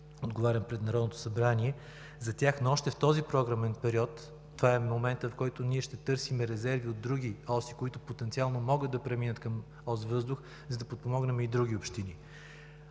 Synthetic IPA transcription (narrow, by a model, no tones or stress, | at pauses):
od̪ɡovaɾʲəmpɾɛd̪nɐɾɔd̪not̪o̥sɐbɾaniɛ | zɐt̪ʲjaxnoɔʃt̪ɛft̪ɔzipɾɔɡɾɐmɛnpɛɾiɔt̪ː | vaɛmomɛnt̪əfkɔjt̪ʊniɛʃt̪ɛt̪ɤɾsimɛɾɛzɛɾviod̪ːɾuɡʲiɔsikoit̪ʊpot̪ɛnt̪sialˠnomɔɡɤd̪d̪ɐpɾɛminət̪kɐm | ɔzvɤzd̪ʊx | zɐd̪ɐpot̪̚pomɔɡnɛmɛid̪ɾuɡʲiopʃt̪ini